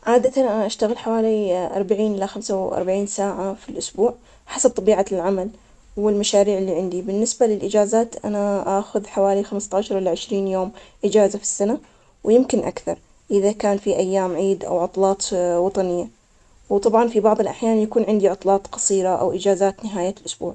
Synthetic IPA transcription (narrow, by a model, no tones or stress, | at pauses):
ʕaːd̪at̪anʔaʔaʃt̪aɣɪlħawaːliʔɑɾˤbaʕiːnʔɪlːaxamsawʔɑ̰ɾˤbaʕiːnsaːʕafilʔʊsbuːʕ | ħasab̚t̪ˤɑbiːʕalʕamal | wɪlmaʃaːɾiːʕɪlːiːʕɪnd̪ibɪnːɪsbalɪlʔɪd͡ʒaːzaːt̪ʔa̰naʔaːxʊðħawaːlixamst̪ɑːʃɑɾˤʔɪlːaʕɪʃɾiːnjoːmʔɪd͡ʒaːzafi̥sːana | wjɪmkɪnʔa̰kθɑɾˤ | ʔɪðakaːnfiʔajːaːmʕiːd̪ʔa̰wʕʊt̪ˤlɑːt̪ˤwɑt̪ˤɑnɪjːa | wt̪ˤɑbʕɑnfibɑʕðˤɪlʔaħjaːnjakuːnʕɪnd̪iʕʊt̪ˤlɑːt̪ˤqɑ̥sˤiːɾaʔa̰wʔɪd͡ʒaːzaːt̪nɪɦaːjalʔʊsbṵːʕ